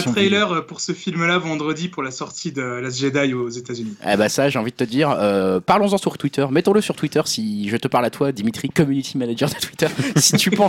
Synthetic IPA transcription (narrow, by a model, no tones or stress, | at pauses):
t̪χɛjlœʁəpuʁsəfilmlavɑ̃d̪ʁəd̪ipuʁlasɔʁt̪ʰid̪əlazʒed̪ajozet̪azyniḛbasaʒeɑ̃vid̪ət̪əd̪iːʁøpaʁlɔ̃zɑ̃syʁt̪wit̪œʁmɛt̪ɔ̃ləsyʁt̪wit̪œʁsiʒət̪əpaʁlat̪wad̪imit̪χikɔmynit̪ʰimanaʒœʁd̪ət̪wit̪œʁsi̥t̪ypɑ̃